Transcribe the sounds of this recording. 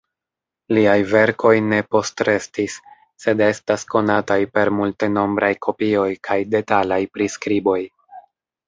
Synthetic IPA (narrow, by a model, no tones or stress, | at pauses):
liajve̞ɾkʰo̞jne̞po̞stɾe̞stisː | e̞de̞stasko̞natajpe̞ɾmulte̞no̞mbɾʔajkʰo̞pio̞jkʰajde̞talajpɾiskɾibo̞j